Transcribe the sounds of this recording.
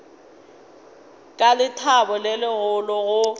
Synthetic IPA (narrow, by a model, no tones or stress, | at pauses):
kʼalɪtʰabɔlɪlɪɣʊlɔɣʊ